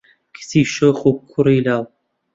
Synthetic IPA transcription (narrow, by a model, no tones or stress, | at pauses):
kʰə̥siːʃoχukʰːʊɾiːlaw